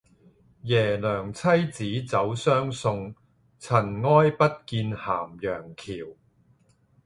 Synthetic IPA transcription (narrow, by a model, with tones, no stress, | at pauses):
jɛː˨˩lœː˨˩ŋt͡sʰɐ˥jt͡siː˨˥t͡sɐ˨˧˥wsœː˥ŋsʊ˧ŋ | t͡sʰɐ˨˩nŋɔː˥jpɐ˥t̚kiː˧nha̰ː˨˩mjœː˨˩ŋkʰiː˨˩w